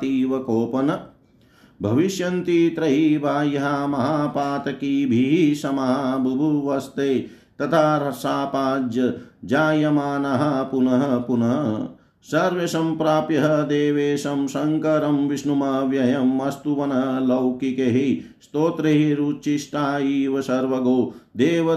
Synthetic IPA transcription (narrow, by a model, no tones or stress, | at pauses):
t̪iːʋɐkoːpɐnɐ | bʱɐʋiʃjɐnt̪it̪ɾɐɦibʱaːjɐɦamɐɦaːpaːt̪ɐkibʱiɦisɐmaɦabʱɐbʱuʋɐst̪eː | t̪ɐt̪ʰaːɾɐsaːpaːd͡ʒjɐd͡ʒaːjɐmaːnɐɦɐpunɐɦɐ̆punɐɦɐ | sɐɾʋesɐmpɾaːpjɐɦɐd̪eːʋeːʃɐmsɐŋkɐɾɐmʋiʃnumɐʋjɐjɐmːɐst̪uʋɐnɐɦlɐwkikeɦist̪oːt̪ɾɐɦiɾuːt͡ʃiʃʈaːiːʋɐsɐɾʋɐɡoːd̪eːʋɐ